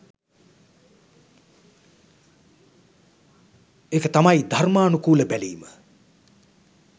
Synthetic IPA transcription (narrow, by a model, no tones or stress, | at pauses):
ekət̪amajd̪ʱarmaːnukuːləbæliːmə